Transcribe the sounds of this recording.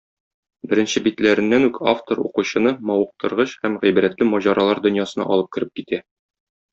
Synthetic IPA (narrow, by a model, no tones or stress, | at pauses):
bɘ̆ɾɘ̆nɕɘbit̪læɾɘ̆nːænʉkaft̪oɾṵquɕɤ̆nɤmɒwɤ̆q̚t̪ɤ̆ɾʁɤɕhæmʁijbɘ̆ɾæt̪lɘmɒʑɑɾɑlˠɑɾd̪ɵ̆njɑsɤ̆nɑ̰ʔɒlˠɤp̚kɘ̆ɾɘp̚kit̪æ